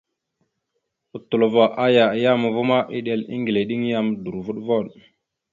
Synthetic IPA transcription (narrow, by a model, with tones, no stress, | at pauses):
u˦tu˨lo˨va˨ʔa˦ja˨ja˦mə˨vu˦ma˦ʔi˦ɗe˨lḭ˦ŋɡi˨le˨ɗi˦ŋ˦ja˦mdu˨ɾvu˦ɗvo˦˨ɗ